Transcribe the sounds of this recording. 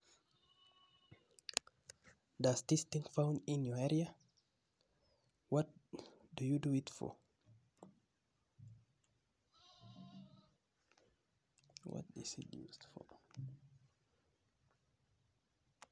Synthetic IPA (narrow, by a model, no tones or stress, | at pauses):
dastestĩŋfãwndinjɔɛɾia | wɔt̚dujuduitfɔ̰ | wɔ̰t̚ḭsḭtjṵːsdfɔ̰